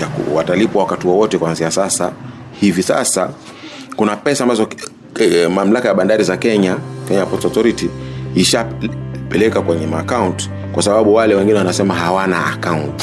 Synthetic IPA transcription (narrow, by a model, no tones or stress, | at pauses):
akwatalipwawakatiwɔwɔtɛkwanzijasasa | hivisa̰sa | kunapɛsaːmbazɔ | mam̩lakajaɓandaɾizakɛɲakɛɲajapɔstɔθɔɾitiːʃapɛlɛkakwɛɲɛmaːkaunt | kwasaɓaɓuwalɛwɛŋɡinɛwanasɛmaɦawana̰ːkaunt